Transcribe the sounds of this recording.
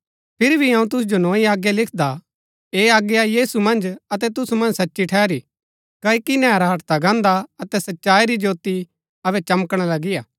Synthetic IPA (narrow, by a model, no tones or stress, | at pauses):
pʰɪɾibʱiɐ̃ũt̪̬ʊs̬d͡ʒonɔ̃ːiaːɡjalɪkʰd̪a | eːaːɡjajiːsumɐ̃nd͡ʒɐt̪ɛt̪ʊsumɐ̃nd͡ʒsɐtːʃiʈʰɛːɾi | kaːikinɛːɾaɦɐʈt̪aɡãːnd̪aɐt̪ɛsɐtːʃaːiɾid͡ʒoːt̪i | ɐβɛt͡ʃɐməkɽ̃alɐɡijaː